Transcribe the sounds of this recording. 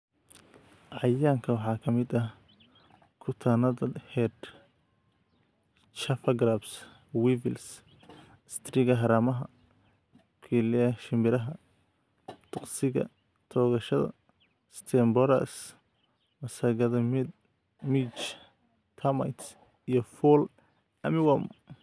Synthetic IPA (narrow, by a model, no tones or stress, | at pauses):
ʕɑjaːŋkʰɐwɑħɑːkʰɐmɪd̪ɐ | kʰʊt̪ʰanɐðɐhɛd̪ | t͡ʃɐfɐɡɾabs | wivɪls | st̪ʰriɣɐɦɐɾaːmɐɦɐ̰ | kʰilɪɐʃɪmɪɾɐɦɐ | t̪ʰʊqsɪɣɐ̰ | t̪ʰɔːɣɐʃɐðɐ̰ | st̪ʰɛmbɔɾɐ̰s | mɐsɐɣɐðɐmd̪ | mit͡ʃ | t̪ʰɐmɐ̰jt̪s | ijɔfɔl | ɐmɪwɐm